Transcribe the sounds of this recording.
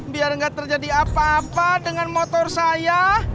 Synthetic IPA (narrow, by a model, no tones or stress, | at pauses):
biarŋɡaʔt̪ərd͡ʒadiapaːpadəŋanmot̪ɔrsaja